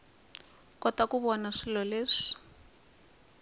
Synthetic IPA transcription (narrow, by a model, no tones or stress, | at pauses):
kɔtakuβɔnaʂilɔleːʂi̥